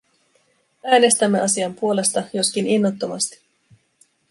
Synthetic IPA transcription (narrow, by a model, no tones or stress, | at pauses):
æːne̞st̪æmːeʔɑsiɑmpuo̞le̞st̪ɑjo̞skininːot̪ːo̞mɑ̰st̪i̥